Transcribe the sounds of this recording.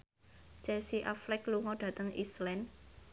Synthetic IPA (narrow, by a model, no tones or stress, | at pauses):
t͡ʃɛsiʔaflɪkluŋɔɖ̥ä̤t̪əŋḭslɛn